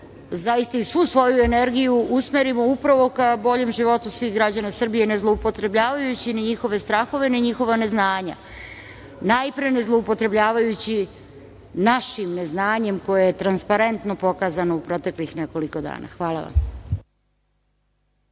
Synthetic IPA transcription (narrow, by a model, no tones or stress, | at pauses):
zajist̪aisʋuːsʋo̞jue̞ne̞ɾɡijuʔusmeɾimo̞upɾaʋo̞kabo̞ʎe̞mʒiʋo̞t̪usʋiɣɡɾad͡ʑanasr̩bije̞ne̞zlˠo̞upo̞t̪ɾe̞bʎaːʋajut͡ɕiniɲixo̞ʋe̞st̪ɾaːxo̞ʋe̞niɲixo̞ʋane̞znaːɲa̰ | najpɾene̞zlˠoupo̞t̪ɾe̞bʎaːʋajut͡ɕi | naʃimne̞znaːɲe̞mko̞jejet̪ɾanspaɾe̞nt̪nopo̞kaːzanoupɾo̞t̪e̞klixne̞ko̞liko̞d̪a̰ːna̰xʋaːlˠa̰ʋa̰m